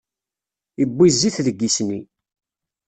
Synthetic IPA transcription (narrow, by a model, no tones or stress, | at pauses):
ibːizːiθðəɡːisni